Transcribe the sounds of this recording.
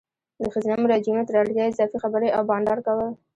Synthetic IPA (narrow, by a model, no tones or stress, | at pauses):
d̪əxaznamʊɾɑd͡ʒimet̪əɾɑɽkʲjɑɪzɑfixabəɾeʔawbɑɳɖɑɾkawəl